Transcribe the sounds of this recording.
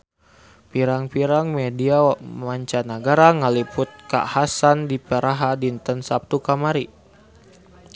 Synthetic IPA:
piɾaŋpiɾaŋmediamaɲt͡ʃanaɡaɾaŋalipʊt̪̚ka̰hasandipeɾaɦadint̪ənsap̚t̪ukamaɾi

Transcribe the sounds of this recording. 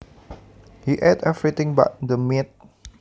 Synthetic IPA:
hiʔɛdɛvɹit̪ɪ̃ŋba̰t̚dəmit̪̚

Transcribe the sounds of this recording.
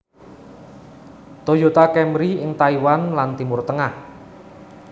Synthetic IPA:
t̪ojot̪akɛmɾiɪŋt̪aiwanlant̪imʊrt̪əŋah

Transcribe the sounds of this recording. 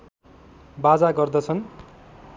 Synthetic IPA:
bad͡zaɡʌrd̪ʌt͡sʰʌn

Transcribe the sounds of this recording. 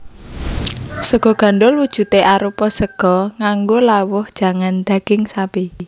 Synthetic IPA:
səɡ̥ɔ̤ɡ̥a̤ɳɖʊlwud̥ʒ̥ṳt̪eʔaɾupɔsəɡ̥ɔŋaŋɡolawʊhd̥ʒ̥a̤ŋand̪̥ä̤ɡ̥ɪŋsabi

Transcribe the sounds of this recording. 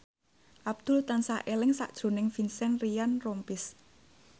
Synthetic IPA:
ʔab̚d̪̥ʊ̤lt̪ansaʔelɪŋsa̰ʔd̥ʒ̥o̤nɪŋfinsɛnrijanrɔmpɪs

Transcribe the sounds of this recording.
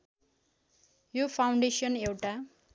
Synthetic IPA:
jopʰaw̃ɳɖesʌnewʈa

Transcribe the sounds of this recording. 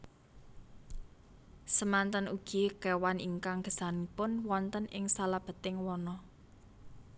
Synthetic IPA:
səmant̪ənuɡ̥ikewaniŋkaŋɡ̥ə̥̤sanipʊnwɔnt̪ənɪŋsalab̥ə̤t̪ɪŋwɔnɔ

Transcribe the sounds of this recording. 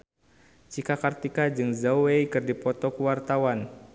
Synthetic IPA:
t͡ʃikakart̪ikad͡ʒɨŋzawweikɨrdipɔt̪ɔkəwart̪awan

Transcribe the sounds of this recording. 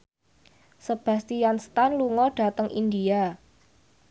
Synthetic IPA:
səb̥a̤st̪ijanst̪anluŋɔɖ̥a̤t̪əŋʔind̪ia

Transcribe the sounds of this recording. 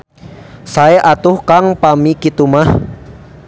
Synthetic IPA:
saeʔat̪ʊhkaŋpamikit̪umah

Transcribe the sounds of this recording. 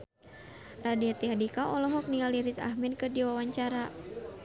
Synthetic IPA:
radiat̪iadikaʔɔlɔɦɔk̚niŋaliɾisa̰hmɛdkədiwawaɲt͡ʃaɾa

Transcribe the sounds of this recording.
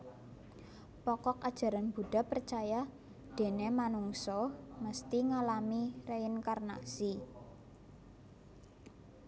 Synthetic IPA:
pɔkɔkad̥ʒ̥ä̤ɾanb̥ṳɖ̥a̤pərt͡ʃaja | d̪̥e̤nemanuŋsɔməst̪iŋalamireɪnkarna̰si

